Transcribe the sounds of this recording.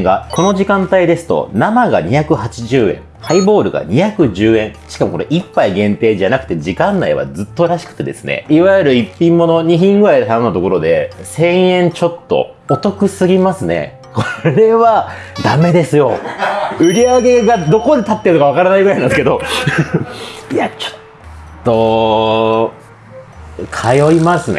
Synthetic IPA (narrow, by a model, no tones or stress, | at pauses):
ɡako̞no̞ʑikãnt̪aid̪e̞sɨ̥t̪o̞̰namaɡa̰ɲ̟içakɯ̟hat͡ɕiʑɨːẽ̞̰ŋhaibo̞ːɾɯ̟ɡa̰ɲ̟içakɯ̟ʑɨːẽ̞ŋ̃ɕi̥kamo̞koɾeʔipːaiɡẽnt̪e̞ːʑanakɯ̟̥t̪ed͡ʑikãnːaiβa̰d͡zzɨt̪ːo̞ɾaɕi̥kɯ̟̥t̪ed̪e̞sɨnḛiβajɯɾɯ̟ipʲːĩmːo̞no̞ɲ̟içĩŋɡɯɾaid̪et̪anonːot̪o̞ko̞ɾo̞d̪e̞sẽ̞ɰ̃ẽ̞ɲt͡ɕo̞t̪ːo̞̰ | ot̪o̞kɯ̟sɨɡʲimasɨne̞̰ | kʰoɾe̞βad̪ame̞d̪e̞sɨjo̞ | ɯ̟ɾʲiaɡe̞ɡad̪o̞ko̞d̪e̞t̪at̪ːeɾɯnokaβakaɾanaiɡɯɾainãsɨ̥ke̞d̪o̞ | iat͡ɕo̥tt̪ː | o̞ | kʰajo̞imasɨne